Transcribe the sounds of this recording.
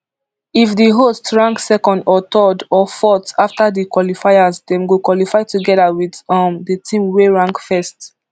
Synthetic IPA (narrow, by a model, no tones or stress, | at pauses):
ifdəɦostɹãŋksɛkɔ̃ndɔtɔdɔfɔtaftadəkwɔlifaɪazdɛ̃mɡokwɔlifaɪtuɡɛðawidʌ̃mdətʰĩmweɹãŋkfɛst